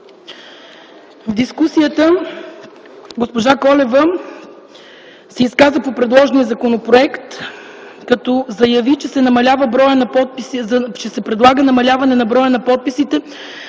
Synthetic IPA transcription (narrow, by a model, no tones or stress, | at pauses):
vd̪iskusijət̪ə | ɡospoʒakɔlɛvə | sɛiskazvəpopɾɛd̪lˠɔʒnijəzɐkonopɾoɛkt̪ | kɐt̪ɔzɐjɐvit͡ʃɛsɛnɐmɐlʲavəbɾɔjənɐpɔpit͡ʃɛsɛpɾɛd̪lˠaɡənɐmɐlʲavɐnɛnɐbɾɔjənɐpɔt̪̚pisit̪ɛ